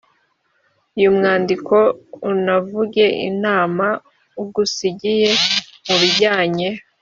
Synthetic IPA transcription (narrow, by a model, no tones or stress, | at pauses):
ujumŋaːndiko̞unavuɟe̞ʔḭnaːma | uɡusiɟijemuβiɟaːɲe